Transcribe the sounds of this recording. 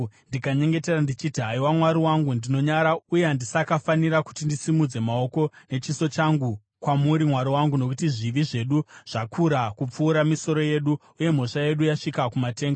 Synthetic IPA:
ndikaɲe̞ŋɡe̞te̞randit͡ʃitiɦaiwamwaɾiwaŋɡundino̞ɲaɾaujeandisakafaniɾaku̥tindisimud͡ze̞mao̞ko̞ne̞t͡ʃiso̞t͡ʃaŋɡu | kwamuɾimwaɾiwaŋɡuno̞kutiʐiʋiʐe̞ɗuʐ̥akʰuɾakup͡fuːɾamiso̞ɾo̞je̞ɗu | uje̞m̤o̞ʂaje̞ɗujaʂikakumate̞ːŋɡa

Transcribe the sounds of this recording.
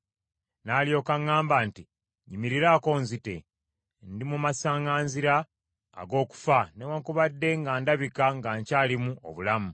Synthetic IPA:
naːljo̞ːkaŋːaːmbaːnti | ɲimiɾiɾaːko̞ːnzite̞̰ | ndimumasaːŋɡaːnziɾa̰ː | ɡo̞ːku̥fanewaŋkuβadːe̞ŋɡaːndaβikaŋɡaːɲcaːlimuo̰βulamu

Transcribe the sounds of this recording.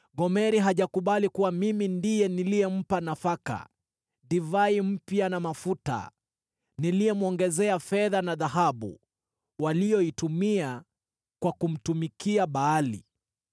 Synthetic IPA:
ɡɔmɛɾiɦaʄakuɓalikuwamimindijɛnilijɛm̩panafaka̰ | ɗivaim̩pjanamafuta̰ | nilijɛmuɔŋɡɛzɛafɛðanaðaɦaɓṵ | walijɔitumia | kwakum̩tumikiaɓaːlḭ

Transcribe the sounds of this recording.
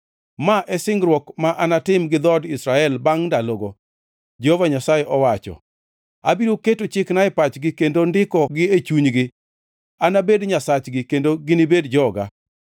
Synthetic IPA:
maʔɛsɪŋɡɾwɔkmaʔanatɪmɡɪd̪ɔdɪsɾaɛlbaŋndaloɡo | d͡ʒɛhovaɲasaeʔɔwat͡ʃɔ̰ | abiɾoketot͡ʃɪknaɪpat͡ʃɡɪkendondɪkɔɡɪet͡ʃuɲɡɪ | anabedɲasat͡ʃɡɪkendoɡɪnɪbedd͡ʒɔɡa̰

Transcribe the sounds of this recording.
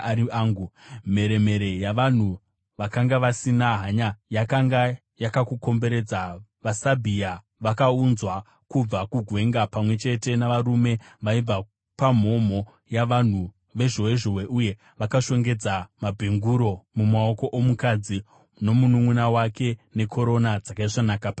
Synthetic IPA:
aːŋɡume̞ɾe̞me̞ɾe̞jaʋan̤u | ʋakaŋɡaʋasinaɦaɲajakaŋɡa | jakakuko̞mbe̞ɾe̞d͡zaʋasabʱia | ʋakaunzwa | kub͡vakuɡʱwe̞ŋɡapamwe̞t͡ʃe̞te̞naʋaɾume̞ʋaib͡va | pam̤o̞m̤o̞ | jaʋan̤u | ʋe̞ʐowe̞ʐowe̞ʔuje̞ | ʋakaʃo̞ŋɡe̞d͡zamabʱeŋɡuɾo̞mumao̞ko̞ʔomukad͡zi | no̞munumwunawake̞ne̞kʰo̞ɾo̞nad͡zakaiʐanakapa

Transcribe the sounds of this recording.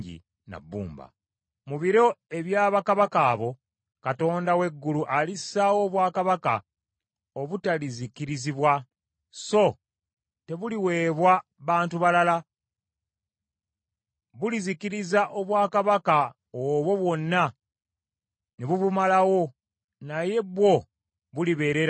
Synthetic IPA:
ɟḭ | na̰bːṵːmba̰ | muβiɾo̞eβjaːβakaβakaːβo̞ | kato̞ːndawe̞ɡːuluʔalissawo̞ːβwaːkaβaka | oβutalizikiɾiziβwa | so̞ | te̞βuliwe̞ːβwa | βaːntuβalala | βulizikiɾizaʔo̞βwaːkaβaka | oβo̞βwo̞nːa | neβuβumalawo̞ | naje̞βwo̞ | βuliβe̞ːɾe̞ɾa

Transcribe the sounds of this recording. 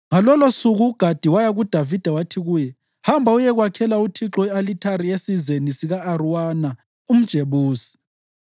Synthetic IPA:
ŋalɔlosuɣuːɡ̥ʱad̥ʱiwajaɣud̥ʱavid̥ʱawatʰiɣuːjɛ | hambʱaujɛɣwakʰɛlautʰiǁɔɛalitʰaɾiesizenisiɣaːruwana | um̩d̥ʒ̥ʱeβuːsi̥

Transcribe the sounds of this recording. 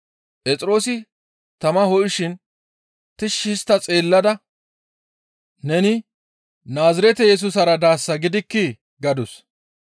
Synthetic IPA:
pʼɛt͡sʼɾo̞ːsɪ | t̪ɐmɐhɔʔɪʃɪn | t̪ɪʃːɪst̪ːɐt͡sʼe̞ːlːɐd̪ɐ | nɛnɪ | naːzɪɾɛt̪ɛjɛs̬ʊsɐɾɐd̪aːsːɐɡɪd̪ɪkːɪ | ɡɐd̪ʊs

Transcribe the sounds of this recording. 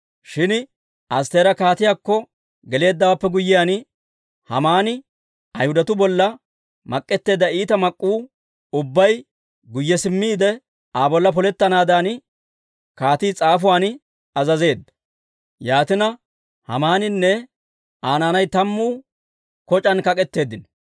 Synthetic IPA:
ʃɪn | ɐst̪eːɾɐkaːt̪ɪjaːkːɔ | ɡɛle̞ːd̪ːɐwaːpːɛɡʊjːɪjaːn | hɐ̰maːnɪ | ʔɐjhʊd̪ɐt̪ʊbɔlːɐ | mɐkʼːɛt̪ːe̞ːd̪ːɐiːt̪ɐmɐkʼːuː | ʊbːɐj | ɡʊjːɛsɪmːiːd̪ɛ | aːbɔlːɐp̬ɔlɛt̪ːɐnaːd̪aːn | kaːt̪iːt͡sʼaːfʊwaːn | ɐzɐze̞ːd̪ːɐ̥ | jaːt̪ɪnɐ | hɐ̰maːnɪnːɛ | ʔaːnaːnɐjt̪ɐmːuː | kɔt͡ʃʼɐnkɐkʼɛt̪ːe̞ːd̪ɪn

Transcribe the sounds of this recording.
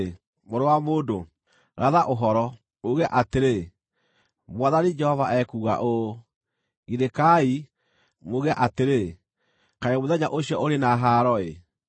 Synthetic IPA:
moɾowamoːndo | ɾaðaʔoɦɔɾɔ | mouɣɛʔateɾe | mwaðanid͡ʒɛhɔvaʔɛkuːɣa̰ʔo | ɣidekai | mouɣɛʔateɾe | kaemoðɛɲaʔoɕiɔoɾenaɦaːɾɔe

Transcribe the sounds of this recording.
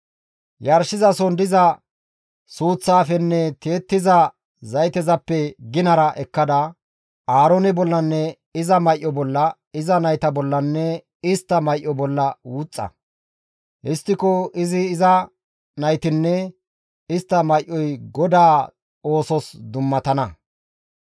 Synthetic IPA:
jɐɾʃɪzɐsɔnd̪ɪzɐ | suːt͡sːaːfɛnːɛt̪e̞ːt̪ːɪzɐ | zɐjt̪ɛzɐpːɛɡɪnɐɾɐʔɛkːɐd̪ɐ | aːɾonɛbɔlːɐnːɛ | ɪzɐmɐjʔːɔbɔlːɐ | ɪzɐnɐjt̪ɐbɔlːɐnːɛ | ɪst̪ːɐmɐjʔːɔbɔlːɐwʊt͡sʼːɐ̰ | ʔɪst̪ːɪkɔɪzɪːzɐ | nɐjt̪ɪnːɛ | ɪst̪ːɐmɐjʔɔjɡɔd̪aː | o̞ːsɔsd̪ʊmːɐt̪ɐnɐ

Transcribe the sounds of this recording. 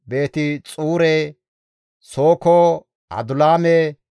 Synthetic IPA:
be̞ːt̪ɪt͡sʼuːɾɛ | soːko | ɐ̰d̪ʊlaːmɛ

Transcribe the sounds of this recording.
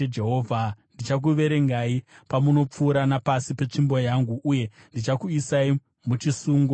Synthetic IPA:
ed͡ʒeɦoːvʱandit͡ʃak̬uʋe̞ɾe̞ŋɡaipamuno̞p͡fuːɾanapasipe̞t͡ʂimbo̞jaŋɡuʔːje̞ndit͡ʃakuisai | mut͡ʃisuːŋɡo

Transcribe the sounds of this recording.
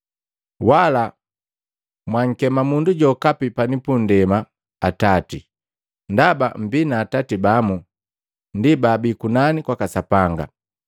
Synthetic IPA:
wala | mwaŋ̩kɛmamunduɟɔkapipanipundɛma | atati | ndaba̰m̩binaːtatibamu | ndibaːbikunanikwakasapaŋɡa̰

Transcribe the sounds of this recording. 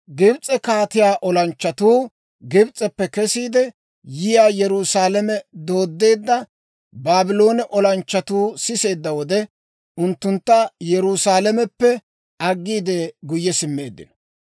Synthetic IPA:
ɡɪbt͡sʼːɛkaːt̪ɪjaːʔɔlɐnt͡ʃːɐt̪uː | ɡɪbt͡sʼːɛpːɛkɛsiːd̪ɛ | jɪjaːjɛɾuːsaːlɐmɛd̪o̞ːd̪ːe̞ːd̪ːɐ | baːbɪlo̞ːnɛʔɔlɐnt͡ʃːɐt̪uːsɪse̞ːd̪ːɐwɔd̪ɛ | ʊnt̪ːʊnt̪ːɐjɛɾuːsaːlɛmɛpːɛ | ɐɡːiːd̪ɛɡʊjːɛsɪmːe̞ːd̪ːɪ̰nɐ̥

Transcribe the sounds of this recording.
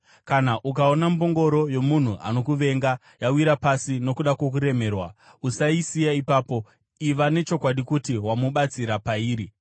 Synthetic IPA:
kanaʔukaonambo̞ŋɡo̞ɾo̞jo̞mun̤uʔa̰no̞kuʋe̞ŋɡa | jawiɾapasino̞kuɗakwok̬uɾe̞me̞ːrwa | usaisijaipaːpo̞ | iʋane̞t͡ʃo̞kwaɗikutiwamuɓat͡siɾapaiːɾi

